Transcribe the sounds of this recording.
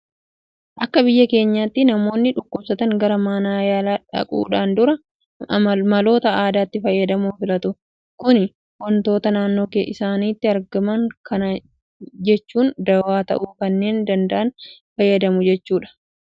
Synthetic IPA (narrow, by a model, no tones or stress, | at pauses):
ʔɐkːɐbɪjːɐke̞ːɲːaːt̪ːɪnɐmo̞ːnːɪᶑʊkːʊbsɐt̪ɐŋɡɐɾɐmaːnaːjaːlaːᶑɐ̰kʼṵːᶑaːnd̪ʊɾɐ | mɐlo̞ːt̪ɐaːd̪aːt̪ːɪfɐjːɐd̪ɐmuːfɪlɐt̪ʊ | kʊnɪ | wɔnt̪o̞ːt̪ɐnaːnːo̞ːkḛʔɪsaːniːt̪ːɪɐɾɡɐmɐŋkɐnɐ | d͡ʒɛt͡ʃːuːnd̪ɐwaːt̪ɐ̰ʔuːkɐnːe̞ːnd̪ɐnd̪ɐʔɐnfɐjːɐd̪ɐmʊd͡ʒɛt͡ʃːuːᶑɐ̥